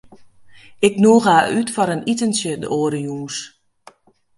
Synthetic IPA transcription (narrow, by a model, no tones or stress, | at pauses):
ɪknuːɣaːʔytfɔɾənʔitənsjədə̰ʔoːɾəjuːs